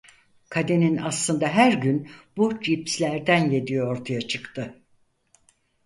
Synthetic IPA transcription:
kʰad̪e̞ninaslˠɯnd̪aɦæɾɟynb̥ud͡ʒipslʲæɾd̪ænje̞d̪ijooɾt̪ʰajat͡ʃʰɯkt̪ʰɯ

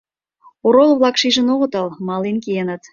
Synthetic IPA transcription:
oɾolˠvlˠɑkʃiʒə̆noʁə̆t̪ɑlˠmɑlinkijenət̪

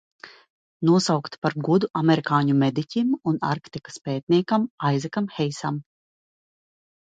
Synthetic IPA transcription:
nuɔsawkt̪paɾɡud̪uʔamɛɾikaːɲumɛd̪icʲimuna̰ɾkt̪ikḁspɛːt̪̚niɛkamajzɛkamxɛjsam

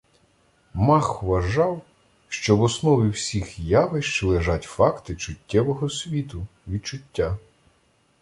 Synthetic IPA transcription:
mɑxʋɐʒɑw | ʃt͡ʃɔwɔsnɔʋʲiwsʲixjɑʋɪʃt͡ʃlˠeʒɑtʲfɑkt̪ɪt͡ʃʊtʲːɛʋɔɦɔsʲʋʲit̪ʊʋʲid̪̚t͡ʃʊtʲːa

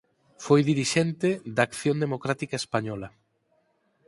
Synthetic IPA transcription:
fojðiɾiʃent̪ed̪akθjond̪emokɾat̪ikaespaɲɔla

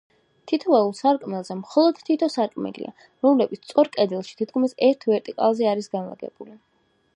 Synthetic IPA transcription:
t̪ʰit̪ʰɔvɛulˠsaɾkʼmɛlˠzɛmχɔlˠɔd̪̥t̪ʰit̪ʰɔsaɾkʼmɛ̰lḭʔa̰ | ɾɔmlɛbit̪sʰt̪sʼɔɾkʼɛd̪ilˠʃi̥t̪ʰit̪kʰmisɛɾt̪ʰvɛɾt̪ʼikʼa̰lˠzɛaɾisɡanlˠa̰ɡɛ̰b̥uli

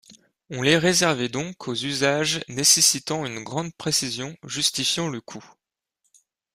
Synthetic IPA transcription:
ɔ̃leʁezɛʁvɛd̪ɔ̃kʰozyzaʒnesesit̪ɑ̃ynɡʁɑ̃d̪̚pχesizjɔ̃ʒyst̪ifjɑ̃ləkʰu

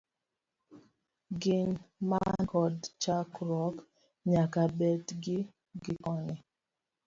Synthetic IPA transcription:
ɡɪnmankɔdt͡ʃakɾɔk | ɲakabɛtɡɪ | ɡɪkɔnɛ

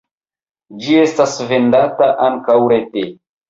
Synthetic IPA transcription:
d͡ʒie̞stasvendataʔaŋkawɾete

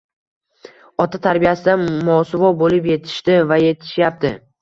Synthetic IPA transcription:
ɒt̪ʰat̪ʰaɾbijasɪd̪amɒsɪvɒbolɪpje̞t̪ʰɪ̥ʃt̪ɪvaje̞t̪ʰɪ̥ʃjap̚t̪ɪ

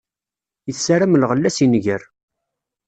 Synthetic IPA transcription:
jəθsaɾæmlʁəlːæsinʝəɾ

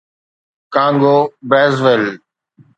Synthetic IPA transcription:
kãːŋɡoːbɾɛːzʋɪl

